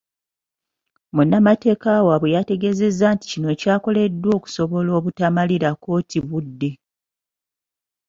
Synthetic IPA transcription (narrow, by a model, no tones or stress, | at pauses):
munːamate̞ːkawaβwejate̞ɡe̞ze̞zːaːnti̥cino̞ːcaːko̞le̞dːwo̞ːku̥so̞βo̞lo̞ːβutamaliɾako̞ːtiβudːe̞